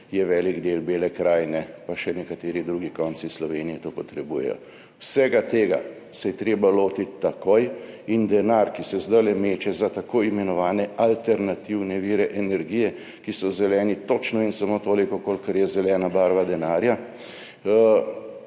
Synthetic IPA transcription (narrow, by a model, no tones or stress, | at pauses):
jɛʋɛːliɡd̪eːlbeːlɛkɾaːjnɛpaʃɛnɛkat̪eːɾid̪ɾuːɡikɔːnt̪sislɔʋeːnijɛt̪oːpɔt̪ɾɛbuːjɛ̰jɔ̰ | wsɛːɡat̪eːɡa̰ | sɛjɛt̪ɾeːbaloːt̪it̪ːakojind̪ɛnaɾkisɛzd̪ajlɛmeːt͡ʃɛzat̪akoːimɛnɔʋaːnɛalt̪ɛɾnat̪iwnɛʋiːɾɛʔɛnɛɾɡiːjɛ | kisɔzɛlɛːnit̪ot͡ʃnɔinsamoːt̪oːlikɔkolkɐɾjɛzɛlɛːnabaːɾʋad̪ɛnaːɾja